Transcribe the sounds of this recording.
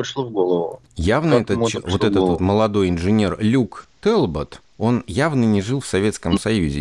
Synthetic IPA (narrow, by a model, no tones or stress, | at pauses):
pɾɪʂlˠovɡolˠəvʊ | javnəɛt̪əvo̞t̪ɛt̪ət̪vot̪məlˠɐd̪o̞jɪnʐɨnʲe̞rlʲukt̪ɛlˠbət̪ | o̞njavnənʲɪʐɨlˠfsɐvʲe̞t̪skəmsɐjuzʲɪ̰